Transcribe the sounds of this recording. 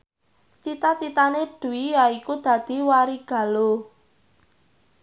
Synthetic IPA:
t͡ʃit̪at͡ʃit̪aneɖ̪̥ṳwijaikud̪̥ä̤d̪̥i̤waɾiɡ̥ä̤lo

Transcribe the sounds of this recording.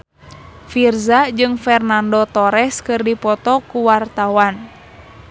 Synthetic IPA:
firzad͡ʒɨŋfɛrnandɔt̪ɔɾɛskɨrdipɔt̪ɔkuwart̪awan

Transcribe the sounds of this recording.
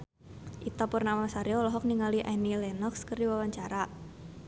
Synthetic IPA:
ʔit̪ɔpʊrnamasaɾiɔlɔɦɔk̚niŋaliʔanilɛnɔkskərdiwawaɲt͡ʃaɾa

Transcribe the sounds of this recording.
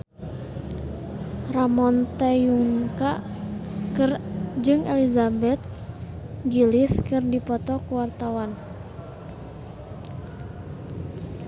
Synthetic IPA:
ramɔnt̪ɛjuŋka | kɨrd͡ʒɨŋɛlizabɛt̪̚ | ɡiliskɨrdipɔt̪ɔkuwart̪awan

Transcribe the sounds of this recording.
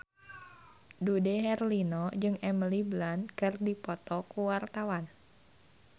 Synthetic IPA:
dudɛɦɛrlinɔd͡ʒɨŋɛməliblankɨrdipɔt̪ɔkuwart̪awan

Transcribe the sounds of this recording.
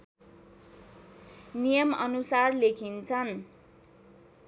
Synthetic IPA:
nijʌmʌnusarlekʰint͡sʰʌn

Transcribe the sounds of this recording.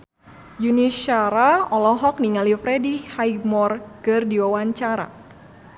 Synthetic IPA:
juniʃaɾaɔlɔɦɔk̚niŋalifɾɛdihajmɔrkɨrdiwawaɲt͡ʃaɾa̰

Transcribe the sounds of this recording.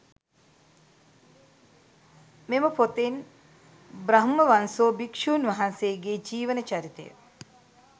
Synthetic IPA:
meməpot̪en | bɾɐɦmːəʋansoːbikʂuːnʋɐɦansejːɡeːd͡ʒiːʋənət͡ʃaɾit̪ḛjə̰

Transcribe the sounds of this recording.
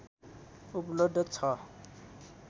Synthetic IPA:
uplob̚d̪ʱʌt͡sʰʌ

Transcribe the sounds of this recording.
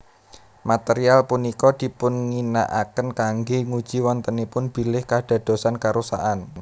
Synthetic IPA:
mat̪eɾialpunikɔd̪̥i̤pʊnŋina̰ʔakənkaŋɡeŋud̥ʒ̥i̤wɔnt̪ənipʊnb̥i̤lɪhkaɖ̥a̤d̪̥o̤sankaɾusa̰ʔan

